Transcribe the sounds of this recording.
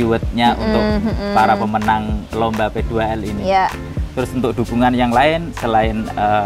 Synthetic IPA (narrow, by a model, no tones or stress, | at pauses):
uwət̪̚ɲaʔṵnt̪ʊk̚paɾapəmənaŋlombaped̥̪uaɛlini | t̪ɾʊsunt̪ʊk̚d̪̥ṳɡ̥uŋanjaŋlaɪnsəlaɪnə